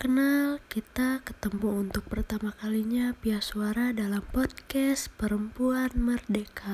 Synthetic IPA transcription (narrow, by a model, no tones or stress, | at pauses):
kənalkit̪akə̥t̪əmpuunt̪ʊk̚pərt̪amakaliɲapiasuaɾadalampɔd̚kɛs̚pəɾəmpuanmərdeka